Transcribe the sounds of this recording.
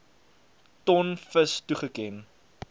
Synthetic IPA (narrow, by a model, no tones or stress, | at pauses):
tɔnfəstuχəkɛn